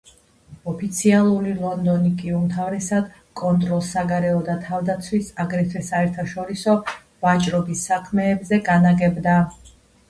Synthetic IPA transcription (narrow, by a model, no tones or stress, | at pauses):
ɔpʰit̪sʰialˠuɾilˠɔnd̪ɔnikʼiumt̪ʰavɾɛsad̪ | kʼɔnt̪ʼɾɔlˠsːaɡaɾɛɔd̪at̪ʰavd̪at̪sʰwisaɡɾɛt̪ʰɛsaɛɾt̪ʰaʃɔɾisɔ | vat͡ʃʼɾɔbisːakʰmɛːbzɛɡanaɡɛbd̪a